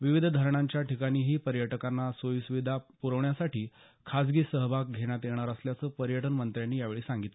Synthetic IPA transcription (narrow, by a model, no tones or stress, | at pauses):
ʋiʋid̪ʱd̪ʱaɾɳ̃aɲt͡ɕjaʈikaɽ̃iːɦiːpəɾjəʈəkanːasʋojusʋid̪ʱapuɾəʋɳjasaʈiː | kʰasɡiːsəɦbʱak̚ɡʱeɽ̃jat̪jeɽ̃aɾəsljat͡səːpəɾjəʈənmənt̪ɾjanːiːjaʋeɭiːsaŋɡit̪le